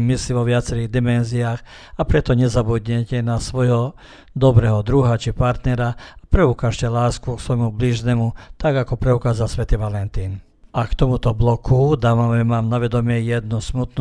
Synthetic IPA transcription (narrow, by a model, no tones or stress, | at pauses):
misliʋɔʋɪat͡sɛɾiɣd̪imɛnziaːx | apɾɛt̪ɔɲɛzabud̪ɲɛcɛnasʋɔjɦɔ | d̪ɔbɾɛːɦɔd̪ɾuɦat͡ʃipaɾt̪nɛɾaapɾɛukaːʃcɛlaːskuksʋɔjmubliʒnɛmut̪aɡakɔpɾɛukaːzalsʋɛt̪iʋalɛnt̪iːn | ʔakt̪ɔmut̪ɔblɔkʰud̪aːmamɛmamnaʋɛd̪ɔmɪɛjɛd̪nɔsmut̪nu